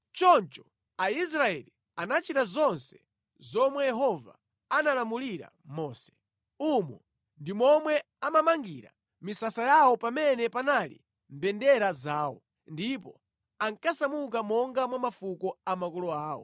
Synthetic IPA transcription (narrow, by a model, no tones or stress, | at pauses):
t͡ʃɔnt͡ʃɔ̥ | ais̬ɾaɛli | anat͡ʃitazɔnsɛ̥ | zɔmwɛjɛɦɔva̰ | analamuliɾa̰ | mɔːsɛ̥ | umɔ̰ | ndimɔmwɛ | amamaŋɡiɾa | misasajawɔpamɛnɛpanalḭ | m̩bɛndɛɾazaːwɔ̰ | ndipɔ | aŋkasamuk̬amɔŋɡamwamafukɔamakɔlɔaːwɔ̰